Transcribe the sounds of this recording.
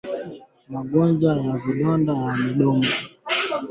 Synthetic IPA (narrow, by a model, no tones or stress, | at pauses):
maɡɔnd͡ʒajaviɗɔndajamiɗɔmɡa